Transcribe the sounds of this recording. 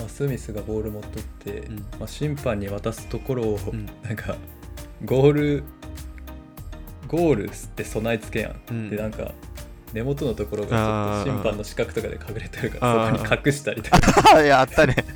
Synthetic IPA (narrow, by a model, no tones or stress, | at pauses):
masɨmʲisɨɡaho̞ːɾɯ̟mo̞t̪ːo̞t̪ʰːe̞̰maɕĩmpãɲ̟ːiβat̪asɨ̥t̪o̞ko̞ɾo̞ːnãŋkʰa | ɡo̞ːɾɯ̟ | ɡo̞ːɾɯ̟̰sɨ̥t̪ːe̞so̞nait͡sɨ̥ke̞jã̰d̪̥e̞nãŋka̰ | ne̞mo̞t̪o̞no̞t̪o̞ko̞ɾo̞ɡa̰t͡ɕotːoɕĩmppãnːo̞ɕi̥kakɯ̥t̪o̞kad̪ekʰaɡɯ̟ɾe̞t̪eɾɯ̟kaɾasokːoɲ̟ikʰakɯ̟ɕi̥t̪aɾʲit̪okkjat̪ːane